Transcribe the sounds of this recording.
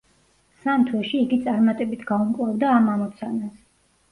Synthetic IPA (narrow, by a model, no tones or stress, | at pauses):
samt̪ʰwɛʃiːɡit̪sʼaɾmat̪ʼɛbit̪ʰɡaumkʼlˠavd̪aːmamɔt̪sʰanas